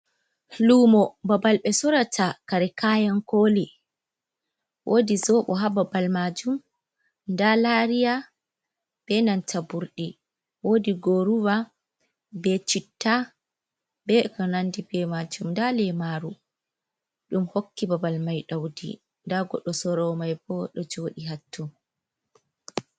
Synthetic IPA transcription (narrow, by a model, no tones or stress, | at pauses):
lumɔbabalɓɛsɔɾatʰakaɾɛkajankoli | wʔoːdizɔɓɔɦababalmad͡ʒum | ndalaɾija | b̥ɛnantʰabuɾɗi | woːdiɡoɾuwa | bɛt͡ʃitːa | bɛkɔnandibɛmad͡ʒumndalɛmaɾu | ɗumhokːibabalmajɗawdḭ | ndaɡɔ̰ɗːɔsɔɾɔmajbɔɗɔd͡ʒoɗiɦatʰːu